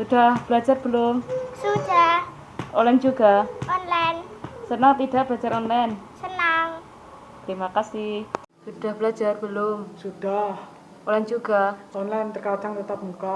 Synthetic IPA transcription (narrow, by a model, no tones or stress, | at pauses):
sud̥ahb̥əlad͡ʒarb̥əlʊmsud̥ah | ʔolɛnd͡ʒuɡaɔnlansənaŋt̪idaʔb̥a̤d͡ʒaɾɔnlɛnsənaŋ | t̪əɾimakasɪh | sud̥ahb̥əlad͡ʒarb̥əlomsud̥ah | ʔolɛnd͡ʒuɡaɔnlajnt̪ərkad͡ʒaŋt̪ət̪ap̚muka